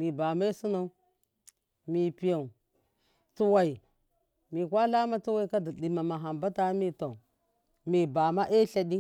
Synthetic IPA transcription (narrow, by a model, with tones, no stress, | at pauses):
mi˨ba˨ma˦i˦su˦na˨u˦ | mi˨pi˨ja˨u˨ | tu˦wa˨i˨ | mi˨kʷa˦la˦ma˦tu˦wa˦i˦ka˦di˨di˨ma˨ma˨ɦa˨mba˦ta˦mi˦ta˨ | mi˨ba˨ma˦ʔe˦ɬa˨di˦